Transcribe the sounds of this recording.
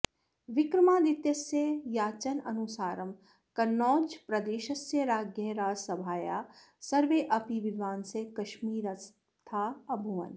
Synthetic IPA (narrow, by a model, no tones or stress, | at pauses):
ʋɪkɾɐmaːd̪it̪jɐsjejaːt͡ʃɐnɐnusaːɾɐm | kɐnːɔːd͡ʒpɾɐd̪eːʃɐsjɐɾaːɡjɐɾaːsɐbʱaːja̰ː | sɐɾʋeːʔɐpiʋɪd̪ʋaːnsekɐʃmiːɾɐs | t̪ʰaːɐbʱuʋɐ̰n